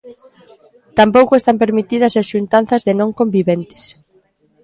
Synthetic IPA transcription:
t̪ampowkʊest̪ampeɾmit̪ið̞ɐsesʃunt̪an̟θɐzðɪnõŋkõmbiβent̪ɪ̥s

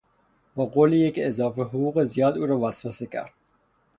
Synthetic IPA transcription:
bɒːɡoːlijecezɒːfeɦoʁuːɣezijɒːd̪uːɾɒːvæsvæsecʰæ̰ɾd̪̥̚

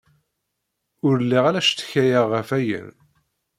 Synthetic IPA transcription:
ʊɾəlːiʁalæʃt̪ːə̥çæjəʁːəfæjə̰n

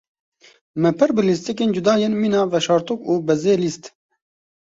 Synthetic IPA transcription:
mɛpʰɨɾbɨlist̪ik̬eːnd͡ʒud̪ɑːjenmiːnɑːvɛʃɑːɾt̪ukuːbɛzeːlist̪

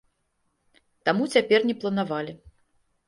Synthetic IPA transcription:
t̪amut͡sʲapʲɛrnʲɛplˠɐnavalʲi

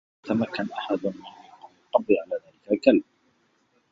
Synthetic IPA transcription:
t̪amakːanʔaħad̪mɪnqʊq̪ˤːɑbːiʕalaːðaːlɪkalkalb̚

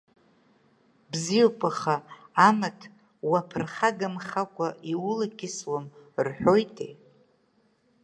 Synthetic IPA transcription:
bzipʼaχaːmatʰ | wapʰrχaɡamχakʷʼaiwʊlakʲʰɪswamrħʷᶣojtʼḛ

